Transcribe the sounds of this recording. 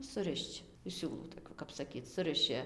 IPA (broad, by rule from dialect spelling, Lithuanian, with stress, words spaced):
sʊˈrʲɪʃt͡ʃ ɪʃ ˈsʲuːlˠuː toːˈkʲuː kɐp sɐˈkʲiːt͡s ˈsʊrʲɪʃʲɪ